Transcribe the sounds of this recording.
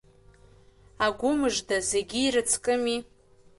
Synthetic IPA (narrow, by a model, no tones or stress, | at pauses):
aɡʷʊmɨʐdaze̞ɡʲiːrɨt͡sʰkʼɨmi